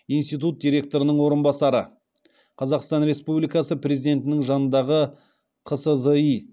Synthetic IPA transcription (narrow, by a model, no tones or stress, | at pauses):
ijnst̪ijt̪̬ut̪̚d̪ʲijɾʲe̞k̚t̪o̞ɾənəɴwo̞ɾənbɑsɑɾə | qʰɑzɑqst̪ɑnɾe̞spublijkɑsəpɾʲe̞zid̪e̞nt̪ɪnɪŋʒɑnənd̪ɑʁə | qʰəsəzəi